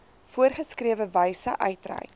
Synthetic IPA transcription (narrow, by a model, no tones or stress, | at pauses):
fuərχəskriəvəvəjsəʔœɥtrɛ̰j